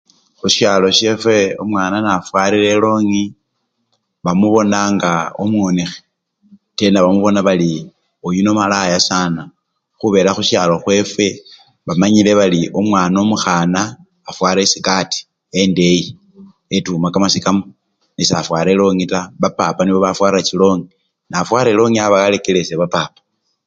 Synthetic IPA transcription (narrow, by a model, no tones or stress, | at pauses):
xuʃjaːlo̞ʃe̞fwe̞omwaːnanafwaːɾiɾe̞lo̞ːŋi | βamuβo̞naŋɡaomwonixe | te̞ndaβamuβo̞naβali | ojuno̞malajasaːna | xuβe̞ːɾaxuʃaːlo̞xwe̞fwe̞ | βamaɲile̞βaliʔomwaːnomuxaːnaː | fwaːɾesikati̥ | ende̞ji | etumakamasikamo | nisafwaːɾelo̞ŋitaβapapaniβo̞βafwaːɾiɾat͡ʃilo̞ːŋi | nafwaːɾe̞lo̞ŋiaβaɣale̞kele̞seβapapḁ